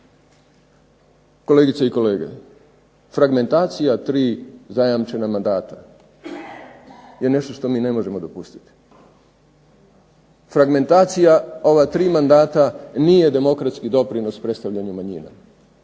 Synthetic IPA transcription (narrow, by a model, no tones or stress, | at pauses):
ko̞leɡit̪seiko̞le̞ːɡḛ | fɾaɡme̞nt̪aːt̪sijat̪ɾiːzajamt͡ʃe̞namand̪aːt̪a | je̞ne̞ʃt̪o̞ʃt̪o̞miːne̞mo̞ʒe̞mo̞d̪o̞pust̪i̥t̪i̥ | fɾaɡme̞nt̪aːt̪sijao̞ʋat̪ɾiːmand̪aːt̪aniːje̞d̪e̞mo̞kɾat̪skid̪o̞pɾino̞spɾest̪aʋʎaɲumaɲḭna̰